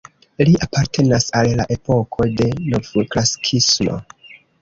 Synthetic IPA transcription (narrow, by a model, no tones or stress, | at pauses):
liʔapaɾtʰe̞nasallːaʔe̞po̞kʰo̞de̞novuklasi̥kʰismo̞̰